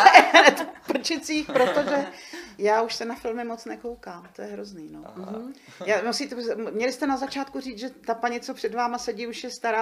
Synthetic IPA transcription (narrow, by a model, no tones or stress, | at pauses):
ɛnɛt̪pr̩t͡ʃɪt͡siːxpɾo̞t̪oʒɛjaːuʃsɛnafɪlmɪmo̞t͡snɛko̞wkaːmt̪ojɛɦɾozniːnom̩ | jaːmusiːt̪ɛmɲɛlɪst̪ɛnazat͡ʃaːt̪̚kuriːt͡sʒɛt̪apaɲɪt͡sopr̝̥ɛdvaːmasɛɟiːuʃjɛst̪aɾaː